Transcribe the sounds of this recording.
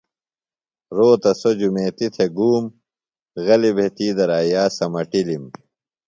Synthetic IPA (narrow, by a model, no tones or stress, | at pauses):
ɾoːt̪ɐsod͡ʑumeːt̪it̪ʰeɡuːm | ɣɐlibʱet̪iːd̪ɐɾaːjaːsɐmɐʈilim